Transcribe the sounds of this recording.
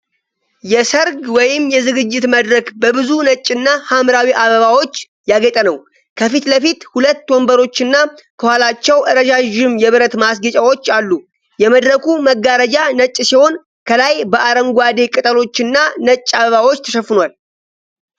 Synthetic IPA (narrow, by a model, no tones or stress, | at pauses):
jɛsəɾɡwɔjɪmjɛzɨɡɨd͡ʒːɪt̪məd̪ɾəkbəbɨzunət͡ʃʼːɨnːahamɾawiʔaβəβawo̞t͡ʃː | jaɡət̪ʼənəw | kʰəfit̪ləfit̪hulət̪ːwombəɾo̞t͡ʃːɨnːakʰəhalat͡ʃːɛwʔɨɾəd͡ʒaʒɪmjɛβɨɾət̪masɡət͡ʃʼawot͡ʃːalːu | jɛməd̪ɾəkʰuməɡːaɾəd͡ʒanət͡ʃʼːsiho̞n | kʰəlajbəaɾəŋɡʷad̪e̞kʼɨt̪ʼəlo̞t͡ʃːɨnːanət͡ʃʼːaβəβawo̞t͡ʃːt̪ʰə̥ʃəfːɨnwal